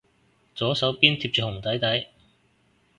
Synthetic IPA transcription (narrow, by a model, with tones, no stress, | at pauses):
t͡sɔː˨˥sɐ˨˥wpiː˥nt̪ʰi˧p̚t͡ʃyː˨hʊ˨˩ŋt̪ɐ˨˥jt̪ɐ˨˥j